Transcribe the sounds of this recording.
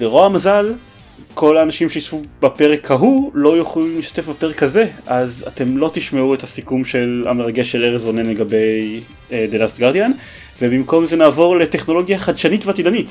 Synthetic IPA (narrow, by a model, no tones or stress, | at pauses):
beʁo̞amazal | kʰo̞laːnaʃimʃeisfubape̞ʁekhaɦulo̞joχlimliʃt̪ḁt̪efbapeʁekhaze̞ʔazat̪e̞mlo̞t̪iʃmeuet̪hasikumʃe̞la̰meʁaɡeʃe̞leʁezonenle̞ɡabe̞j | d̪elast̪̚ɡaʁd̪ijan | vebimko̞mzenaːvo̞ʁle̞teχno̞lo̞ɡjaχad̪ʃanitveat̪idanit